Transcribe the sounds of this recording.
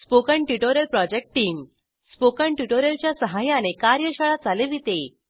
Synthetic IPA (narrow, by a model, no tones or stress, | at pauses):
spokəɳʈuʈoɾjəlpɾɔd͡ʑek̚ʈːiːm | spokəɳʈuʈoɾjəlt͡ɕjasəɦajanekaɾjəɕəɭad͡zaleʋit̪e